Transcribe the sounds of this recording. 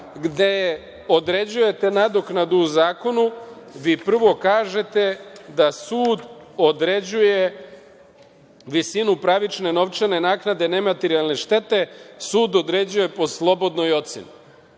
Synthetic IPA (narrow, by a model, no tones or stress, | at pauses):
ɡd̪e̞ | o̞d̪ɾe̞d͡ʑuje̞t̪e̞nad̪oknad̪uːzaːko̞nuʋipr̩ʋo̞kaːʒe̞t̪e̞d̪asuːd̪od̪ɾed͡ʑuje̞ | ʋisinupɾaʋit͡ʃne̞no̞ʋt͡ʃane̞naːknad̪e̞ne̞mat̪eɾialˠne̞ʃt̪e̞t̪e̞suːd̪od̪ɾe̞d͡ʑuje̞po̞slˠo̞bo̞d̪no̞jo̞t̪seni